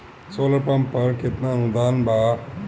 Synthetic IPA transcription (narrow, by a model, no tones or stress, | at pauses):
soːlɐpampɐɾket̪naũd̪aːnba